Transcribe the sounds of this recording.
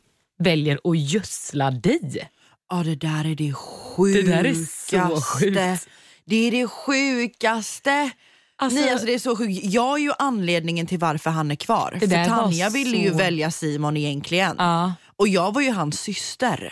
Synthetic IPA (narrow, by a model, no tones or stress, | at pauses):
vɛljəɾɔjœslad̪ɛj | ɑd̪ɛd̪æːɾæɖɛɧʉ̟dɛ | asɧʉːt̪ə | d̪ɛæɖɛɧʉːkast̪ə | anɛalsɔd̪ɛæsɔɧʉkjɑːɡæɾjɵʔanːleːd̪nɪŋənt̪ʰɪlvaɾfœɾɦanæɾkʰvɑ̰ːɾdɛfœɾt̪ʰanːɪavɪlːəjɵvɛljasiːmɔnɪjɛŋkʰlɪɡənː | ɔjɑːɡvaɾjɵɦansːʏst̪ə̰ɾ